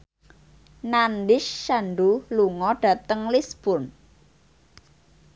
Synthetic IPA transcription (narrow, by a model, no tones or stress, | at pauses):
nanɖɪʃːanɖuluŋɔɖ̥a̤t̪əŋlisb̥ʊn